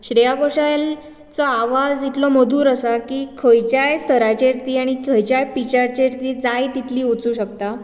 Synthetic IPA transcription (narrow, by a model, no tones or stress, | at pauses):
ɕɾijakoɕajl | t͡sɔaʋad͡zit̪lɔməd̪ʱuːɾəsakiːkʰəjt͡ɕjajst̪ʰəɾat͡ɕeɾt̪iːaɽ̃ikʰəjt͡ɕjajpit͡ɕaɾt͡ɕeɾt̪iːd͡zajt̪it̪ʰliːut͡suːɕək̚t̪a